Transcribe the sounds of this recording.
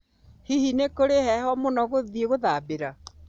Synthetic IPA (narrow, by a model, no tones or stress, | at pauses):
hihinekoɾeɦɛɦɔmonɔɣoðieɣoðaːbeɾa